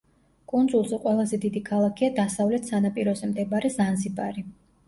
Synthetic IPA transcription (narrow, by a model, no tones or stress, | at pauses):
kʼund̪zʼulˠzɛqʼwɛlˠazɛd̪id̪ikʰalˠakʰiad̪asavlɛt̪ʰsanapʼiɾɔzɛmd̪ɛbaɾɛzanzibʼaɾi